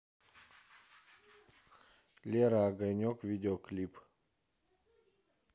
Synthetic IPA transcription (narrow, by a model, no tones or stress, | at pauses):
lʲeɾaːɡəjnʲokvid̪eoklip